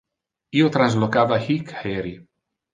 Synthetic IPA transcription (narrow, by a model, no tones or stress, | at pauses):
iːot̪ɾanzlokaːvahikheɾi